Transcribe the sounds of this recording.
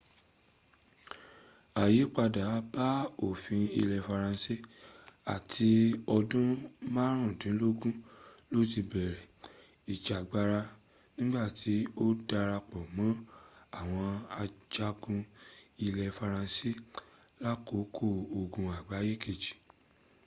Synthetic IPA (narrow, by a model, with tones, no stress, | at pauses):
a˨ji˨˦k͡pa˧da˨˦ba˦o˨fĩ˧ḭ˧lɛ˧fa˧ɾã˧si˦a˨tʰi˧ɔ˧dũ˦mã˦ɾ̃ũ˦˨dĩ˨˦lo˦ɡũ˦lo˦˨ti˧bɛ˨ɾɛ˨i˨d͡ʒa˨ɡ͡ba˧ɾa˧ | nĩ˦ɡ͡ba˦˨ti˨˦o˦da˧ɾa˧k͡pɔ˨mã˨˦a˦˨w̃ɔ̃˧a˧d͡ʒa˦ɡũ˧i˧lɛ˧fa˧ɾã˧si˦la˦ko˨˦kʰo˦˨o˨ɡũ˨a˨ɡ͡ba˨˦je˦ke˦˨d͡ʒi̥˨